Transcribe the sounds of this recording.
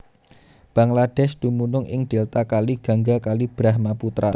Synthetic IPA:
b̥aŋlad̥ɛsd̪̥umunʊŋʔɪ̰ŋd̪̥elt̪akaliɡ̥a̤ŋɡakalib̥ɾahmaput̪ɾa

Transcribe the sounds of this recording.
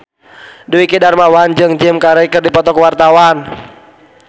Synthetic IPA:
duwikidarmawand͡ʒɨŋd͡ʒɪmkaɾəkɨrdipɔt̪ɔkwart̪awan

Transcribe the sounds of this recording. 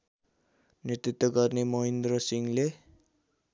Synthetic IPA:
net̪rit̪wʌɡʌrnemʌɦind̪rʌsiŋle

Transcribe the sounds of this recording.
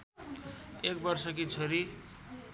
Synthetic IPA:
ek̚bʌrsʌk̬it͡sʰʌɾi

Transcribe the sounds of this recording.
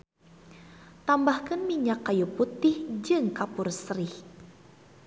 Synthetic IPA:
t̪ambahkɨnmiɲakːajuput̪ɪhd͡ʒɨŋkapʊrsɾɪh

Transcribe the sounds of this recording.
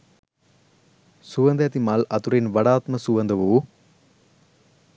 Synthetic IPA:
sʊʋɐnd̪ɐɐt̪imaːlɐt̪uɾɪnʋɐɽaːt̪mɐsʊʋɐnd̪ɐʋuː

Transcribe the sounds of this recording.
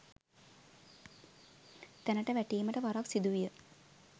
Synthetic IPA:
t̪ænəʈəʋæʈiːməʈəʋaɾaksid̪uʋijə

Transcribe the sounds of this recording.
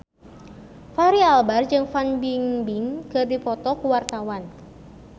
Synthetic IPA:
faɾialbard͡ʒɨŋfanbiŋbiŋkɨrdipɔt̪ɔkuwart̪awan

